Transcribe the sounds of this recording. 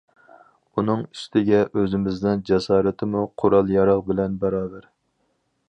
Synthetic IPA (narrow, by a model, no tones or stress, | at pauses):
unɨŋy̥st̪ʰɪɡʲɛʔøzɪmɪznɪnd͡ʒɛsɑːɾɪt̪ʰɪmuqʰoɾɑlˠjɑɾɑʁbɪlɛnbɛɾɑːbɛɾ